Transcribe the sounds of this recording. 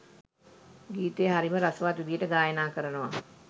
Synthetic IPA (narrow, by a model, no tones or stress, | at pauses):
ɡiːt̪eːɦaɾiməɾasəʋat̪ʋid̪ijəʈəɡaːjənaːkəɾənəʋa